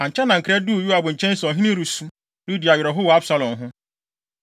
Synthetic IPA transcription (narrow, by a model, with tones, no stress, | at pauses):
ã˨ɲ̩˨t͡ʃʰɛ˦nã˨ŋ̩˨kʰɪ˨ɾɛ˦du˦˨ju˦a˨bʊ˨ɲ̩˨t͡ʃʰɛ̃˦n̩˦sɔ˨ɦi˦nĩ˦ɾu˨sũ˦ | lu˦di˨a˨ɥɪ˨ɾɔ˨ɦʊ˦wa˦bsa˦lɔ̃˨mɦʊ̃˦